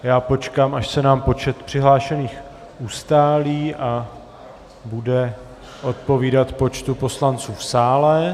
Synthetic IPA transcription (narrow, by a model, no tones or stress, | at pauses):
jaːpo̞t͡ʃkaːmaʃsɛnaːmpo̞t͡ʃɛt̪pr̥ɪɦlaːʃɛniːx | ʔust̪aːliːʔa | budɛ | ʔo̞t̪̚po̞viːdat̪po̞t͡ʃt̪upo̞slant͡suːfsaːlɛ